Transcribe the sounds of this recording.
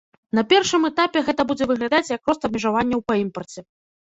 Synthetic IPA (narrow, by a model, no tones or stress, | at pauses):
n̪ɐpʲɛrʂɨmɛt̪apʲɛɣɛt̪ɐbud͡zʲɛvɨɣlʲad̪at͡sʲjɐkɾɔst̪ɐb̚mʲɛʐavanʲːɐwpɐimpɐrt͡sʲɛ